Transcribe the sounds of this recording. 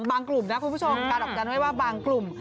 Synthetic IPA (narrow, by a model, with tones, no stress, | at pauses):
ŋbaː˧ŋklu˨˩mna˦˥kʰu˧npʰu˥˩t͡ɕʰo˧mkaː˧nʔɔ˨˩t͡ɕa˧nwa˥˩jwaː˥˩baː˧ŋklu˨˩m